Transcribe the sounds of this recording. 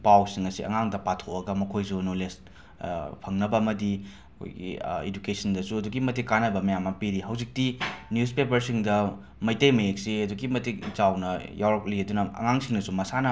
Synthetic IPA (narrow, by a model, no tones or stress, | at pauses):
pawsiŋɐsiʔɐ̰ŋaŋdɐpatʰokɐɡɐmɐkʰojsunoles | pʰɐŋnɐbɐːmɐdi | ɐkʰo̰jɡḭḛd͡ʒukesɐndɐsuɐduɡimɐtikːanɐbɐmɐjamːɐpiɾiɦɐwzik̚tinjuspepɐɾsiŋdɐ | mɐjtejmɐek̚siɐduɡimɐtik̚zawnɐjawɾɐk̚liɐdunɐɐ̰ŋaŋsiŋnɐsumɐsanɐ